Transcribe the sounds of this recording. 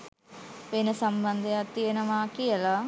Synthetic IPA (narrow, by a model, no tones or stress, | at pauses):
ʋenɐsɐmbɐnd̪ʱɐɐt̪ienɐmaːkijɐla